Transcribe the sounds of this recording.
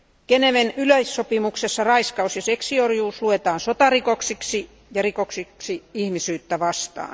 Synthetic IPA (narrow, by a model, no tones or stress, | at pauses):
keneʋenyløissopimuksesːɑrɑiskɑusjɑseksiorjuːsluet̪ɑːnsot̪ɑrikoksiksi | jɑrikoksiksiihmisyːt̪ːæʋɑst̪ɑ̰ːn